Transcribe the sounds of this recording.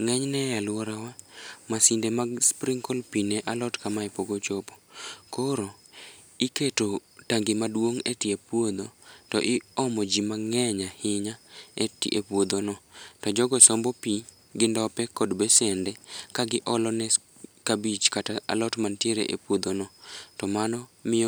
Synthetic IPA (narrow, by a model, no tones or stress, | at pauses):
ŋɛɲnɛjalwɔɾawamasindemaɡspɾɪŋkolpinɛʔalɔtkamaɛpoɡot͡ʃopɔ̥koɾo | ɪketotaŋɡɪmadwoŋetiepwod̪otɔʔɪɔmɔd͡ʒimaŋɛɲahɪɲaetḭʔḛpwod̪onɔtɔd͡ʒɔɡɔsɔmbɔpi | ɡɪndɔpɛkɔdbɛsɛndɛkaɡɪʔɔlɔnɛ | kabit͡ʃkataa̰lɔtmantjeɾeʔḛpwod̪onɔtɔmanɔmɪ